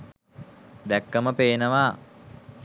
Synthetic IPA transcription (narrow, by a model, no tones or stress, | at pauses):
d̪ɛkːəməpeːnəʋaː